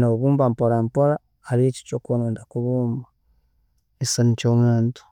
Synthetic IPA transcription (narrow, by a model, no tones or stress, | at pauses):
noβuːmbampoɾampoɾa | haɾieci̥t͡ʃoːkonoːndakuβuːmba | esanicoŋaːnto̥